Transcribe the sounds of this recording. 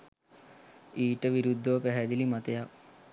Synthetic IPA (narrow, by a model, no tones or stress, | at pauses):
iːʈəʋiɾud̪ʱːoʋpɛɦɛd͡ʒ̪ilimɐt̪əja